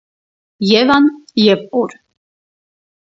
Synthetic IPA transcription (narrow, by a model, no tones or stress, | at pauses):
jɛvanjɛpuɾ